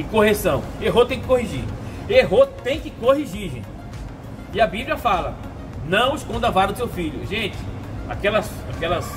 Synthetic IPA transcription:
ɪ̃koɦesɐ̃w̃eɦot̪ẽj̃kɪkoɦiʒḭɾeɦot̪ẽj̃kɪkoɦiʒiɾʒḛ̃t͡ʃɪ | iɐbibljɐfalɐ | nɐ̃w̃ɪskõd̪ɐvaɾɐʊsewfiʎʊ̰ʒẽt͡ʃɪ̥a̰kɛlɐs | akɛlɐs

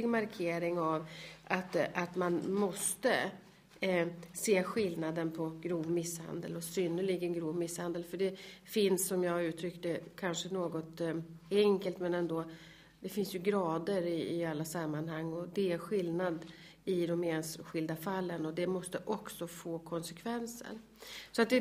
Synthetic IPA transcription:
ɡmaɾkʰeːɾɪŋavʔat̪at̪manmɔst̪ə | seːɧɪlnad̪ənpʰɔɡɾuːvmɪsːha̰nd̪ə̰lɔsʏnəɭɪɡənɡɾuːvmɪshand̪əlfœɖɛfɪnsːɔmjɑːɡʉ̟ːt̪ʰɾʏkt̪əkʰanʂənoːɡɔt̪ɛŋkəlt̪mɛnɛnd̪oː | d̪ɛfɪnsjɵɡɾɑːd̪əɾɪːalːasamːanhaŋːɔd̪ɛæɧɪlnad̪ | ɪd̪ɔmeːnɧɪld̪afalːənɔd̪ɛmɔst̪əʔɔksɔfoːkʰɔnsɛkʰvɛnsə̰ɾ | sɔat̪̚d̪ɛ

